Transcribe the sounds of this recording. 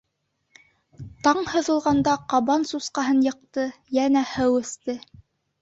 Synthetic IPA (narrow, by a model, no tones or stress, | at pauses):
t̪ɑɴhɤ̆ðɤ̆lˠʁɑnd̪ɑqɑβɑnsusqɑɦɤnjɤ̆q̚t̪ɤjænæhɘwɘ̆st̪ɘ